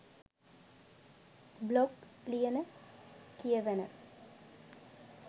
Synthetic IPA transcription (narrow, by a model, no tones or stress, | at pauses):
bloɡ | lijənə | kijəʋenə̰